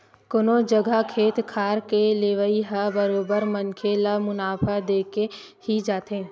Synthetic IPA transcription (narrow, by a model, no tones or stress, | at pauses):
konod͡ʒəɡʱakʰeːt̪kʰaːɾkeleːʋəiɦabəɾoːbəɾmə̃nkʰelamʊnaːpʰad̪eːke | hid͡ʒaːt̪ɦẽː